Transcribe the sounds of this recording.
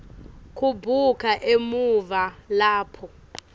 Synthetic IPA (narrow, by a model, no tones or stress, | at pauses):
kʰubʱukʰaʔemuvalaːpʰɔ